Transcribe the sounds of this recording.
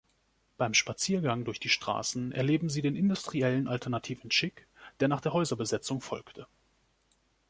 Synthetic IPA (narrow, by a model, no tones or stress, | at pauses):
b̥aɪmʃpat͡siːɐɡaŋdʊɐçd̥iːʃtʁ̥a̰ːsn̩ʔɛ̰ɐleːbm̩ziːdeːnɪndʊstʁ̥iɛlənʔaltʰɛɐnatʰiːvn̩ʃɪkd̥eːɐnaːχd̥eːɐɦɔʏzɐbəzɛt͡sʊŋfɔ̰lktʰə